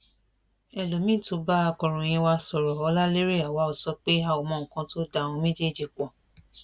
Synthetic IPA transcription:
ɛ˨lo˨mĩ˦˨to˨˧˦ba˦a˧kɔ˨ɾ̃ɔ̃˨j̃ĩ˧wa˧sɔ˨ɾɔ˨ɔ˧la˦le˦ɾe˦˨a˨wa˨˦o˨sɔ˧˦k͡pe˦a˦˨o˨mɔ̃˦˨ŋ̩˨kã˧to˦da˧˨w̃ɔ̃˧mĩ˦d͡ʒe˦˨d͡ʒi˨k͡pɔ˨

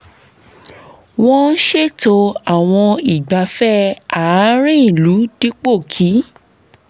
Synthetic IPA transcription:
w̃ɔ̃˦n̩˦ʃe˦˨to˧a˨w̃ɔ̃˧i˨ɡ͡ba˨˦fɛ˦a˨˦ɾĩ˦˨lu˨˦d̥i˦k͡po˦˨kʰi˨˦

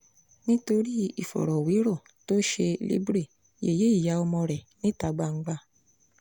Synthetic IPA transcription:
nĩ˦to˧ɾi˦i˦˨fɔ̰˨ɾɔ˨wi˨˦ɾɔ˦˨ | to˦ʃe˧lḭ˦bɾe˦˨ | jḛ˨je˨˦i˦˨ja˨˦ɔ˧mɔ̃˧ɾɛ˨nĩ˦ta˧˦ɡ͡ba˧ŋ̩˦ɡ͡ba˧˨

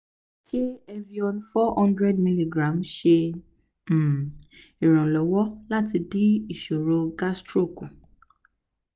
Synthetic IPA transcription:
ki˦ɛ˧vi˧ɔ˧nũ˦fɔ˦hɔ̃˦ndɾɛ˦dmĩ˧li˨ɡɾã˨˦mʃe˧˨ | i˨ɾ̃ɔ̃˨lɔ˨wɔ˦la˦ti˧di˦i˦˨ʃo˨ɾo˧ɡa˦stɾo˦˨ku˨

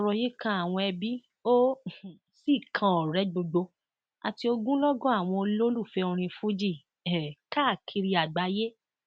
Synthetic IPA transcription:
ɔ˧ɾɔ˧je˦kã˦a˨w̃ɔ̃˧ɛ˧bi˦ | õ˦˨ | si˦˨kʰã˧ɔ˨ɾɛ˨˦ɡ͡bo˧ɡ͡bo˧ | a̰˨ti˧o˧ɡũ˦lɔ˦ɡɔ̃˦a˦˨w̃ɔ̃˧o˧lo˦lu˦˨fɛ˧o˧ɾ̃ĩ˧fu˦d͡ʒi˦˨ | ka˦˨kʰi˧ɾi˧a˨ɡ͡ba˨˦je˦

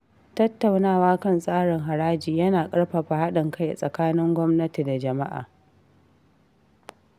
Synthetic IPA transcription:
tɐ˦tːa˨wnaː˦˨waː˦kɐ˦˨nsʼaː˦ɽɪ˨ŋɦa˨ɽaː˦d͡ʒiː˨jɐ˦naː˨kʼɐ˦ɽɸɐ˨ɸa˨ha˦ɗɪ˨ŋka˦jʔa˨sʼɐ˨kaː˦nɪ˦ŋɡʷɔ˦mnɐ˦ti˨da˨d͡ʒɐ˨ma˦ʔa̰ː˨

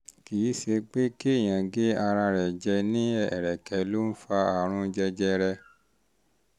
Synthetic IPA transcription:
ki˨i˨˦ʃe˧k͡pe˦ki˦e˦˨j̃ã˨ɡe˦a˧ɾa˧ɾɛ˨d͡ʒɛ˧nĩ˦ɛ˦˨ɾɛ˨kɛ˨˦lo˦n̩˦fa˧a˨ɾ̃ũ˧d͡ʒɛ˧d͡ʒɛ˧ɾɛ˧

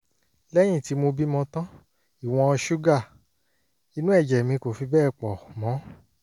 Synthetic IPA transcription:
lɛ˦j̃ĩ˦˨ti˨˦mo˧bi˦mɔ̃˧tã˦ | i˦˨w̃ɔ̃˧ɔ˧ʃu˦ɡa˦˨ | i˧nũ˦ɛ˦˨d͡ʒɛ˨mĩ˧ko˨fi˧bɛː˦˨k͡pɔ˨mɔ̃˨˦

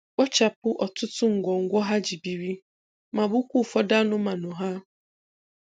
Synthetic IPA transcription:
ɔ˦t͡ʃa˨pʊ˦ʔɔ˨tʊ˦tʊ˦ŋ̩˨ɡʷɔ˨ŋ̩˨˦ɡʷɔ˦ɦa˦d͡ʒi˨bi˨ɾi˦ | ma˨bʊ˦kʷu˦˨fɔ˦da˦nʊ˦ma˨nʊ˨ɦa˦

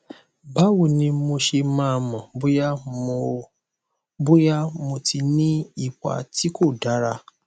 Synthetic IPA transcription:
ba˦wu˨nĩ˧mo˧ʃe˧mãː˦˧mɔ̃˨bu˦ja˦mo˧ | bu˦ja˦mo˧ti˧nĩ˦i˦˨ka̰˨ti˦ko˦˨da˨˦ɾa˧

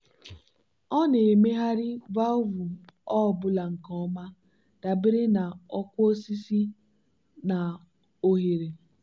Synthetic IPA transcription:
ɔ˦ne˨me˦ɦa˦ɾɪ˦va˦ʊ˦vu˨ɔ˦˨bʊ˦la˨ŋ̩˨kɔ˦ma˦ | d̥a˨bɪ˦ɾɪ˦na˨ɔ˦kʷo˦si˦si˦ | na˨ | o˦ɦe˨ɾe˨

